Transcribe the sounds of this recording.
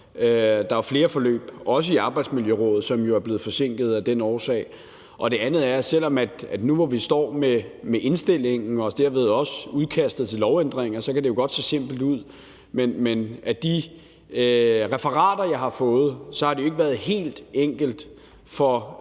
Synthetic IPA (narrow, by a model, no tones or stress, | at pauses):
ød̥ɑ̈ʋɑ̈fle̝ːɐfɒ̽lø̰ːb̥ɒ̽s̬əiɑ̈ːb̥ɑ̈ɪd̥smiljøʁɔ̽ːð̩ˠsɒ̽mjo̝æɐb̥le̝ð̩ˠfɒ̽se̝ŋ̰ɡ̥ð̩ˠæd̥enɒːsɛ̰ɪ | ʔɒ̽d̥e̝ænð̞̩ˠæɐsel̰ɒ̽mæd̥æd̥nuʋɒʋisd̥ɒ̰ːmemeʔe̝nsd̥e̝l̰e̝ŋn̩ɒ̽d̥eɐ̰ʋe̝ð̞ˠɒ̽səuðˠkʰæsd̥ð̩ˠt͡sʰe̝lɒʊend̥ʁeŋ̰ɐsɒ̽kæd̥e̝jo̝ɡ̥ɒ̽d̥se̝̰ːse̝m̰b̥l̩d̥uð̰ˠ | menmenæd̥i | ʁɛfɐʁɑ̰̈ːdɐjɑ̈ɪɦhɑ̈fɔ̽ːð̞̩ˠsɒ̽hɑ̈de̝oe̝ɡ̥ʋæːɐð̩ˠhe̝̰ːld̥eŋ̰ɡ̥əld̥ | fɒ̽